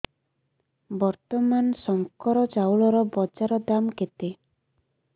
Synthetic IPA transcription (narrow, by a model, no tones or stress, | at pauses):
bɔɾt̪ɔmansɔŋkɔɾɔd͡ʒawlɔɾɔbɔd͡ʒaɾɔd̪amket̪e